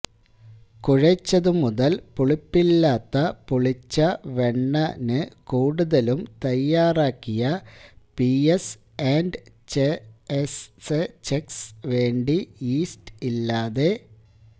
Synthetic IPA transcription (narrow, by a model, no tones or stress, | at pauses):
kuɻɐt͡ɕːɐðɨmuðɐlpuɭipːilːaːt̪ːɐpuɭit͡ɕːɐʋe̞ɳːɐnɨkuːɽuðɐlumt̪ɐjːaːraːkːijɐpies | eːnɖ | t͡ɕeeset͡ɕeksʋe̞ːɳɖiiːstilːaːðe̞